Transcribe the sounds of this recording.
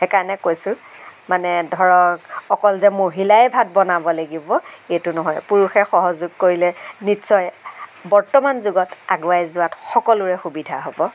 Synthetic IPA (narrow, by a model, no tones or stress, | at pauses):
ɛkaɹnɛkojsʊ̃manɛdʱɔɹɔkɔkɔlzɛmoɦilaɛbʱat̚bɔnabɔlaɡibɔetʊnɔɦɔjpuɹuxɛxɔɦɔzʊɡ̚koɹilɛnitsɔjbɔɹtɔmanzʊɡɔtaɡʊajzʊatxɔkɔlʊɹɛxubidʱaɦobɔ